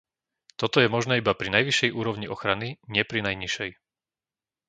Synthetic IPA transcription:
t̪ɔt̪ɔjɛmɔʒnɛːibapɾinajʋiʃɛjʔuːɾɔʊɲiʔɔxɾaniɲɪɛpɾinajɲiʃɛj

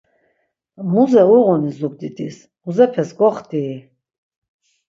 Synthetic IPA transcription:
muzɛuʁunizuɡ̚d̪id̪is | muzɛpʰɛsɡɔχd̪i

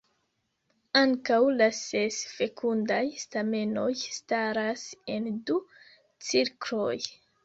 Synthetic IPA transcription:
aŋkawlasesfe̞kʰundajstame̞no̞jstaɾase̞ndu | t͡siɾkloj

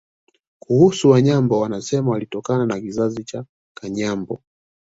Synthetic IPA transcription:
kʰuhusuwaɲambɔwanasɛmawalitɔkananakizazit͡ʃa | kʰaɲambɔ

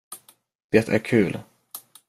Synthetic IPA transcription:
d̪̥eːt̪ʰæ̰ɾkʰʉ̟ːl

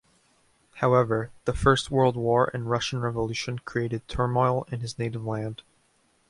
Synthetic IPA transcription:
haʊɛvə˞ðəfɜ˞st̚wɜ˞lˠd̚wɔɹʔɨ̰̃nɹʌʃn̩ɹɛvəlʉʃɨ̃nkʰɹ̥ieɪɾɨd̚tʰɜ˞mɔɪlˠɪ̃nɨzneɪɾɨvlæ̃nd̥

